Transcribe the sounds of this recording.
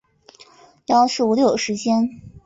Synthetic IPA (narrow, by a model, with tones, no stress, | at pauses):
jɑ˥ʊʂɻ̩˥˩u˧˥ljo˥˩ʂɻ̩˧˥t͡ɕjɛ˥n